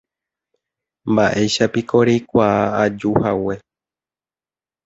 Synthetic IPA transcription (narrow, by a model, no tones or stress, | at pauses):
mbaʔe̞jʃapikʰo̞ɾejkʷaaad͡ʒuhawe̞